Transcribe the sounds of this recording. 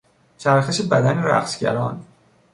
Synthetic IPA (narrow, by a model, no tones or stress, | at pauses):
t͡ʃʰæɾxeʃe̞bæd̪æneɾæ̰qsɟæ̰ɾɒːn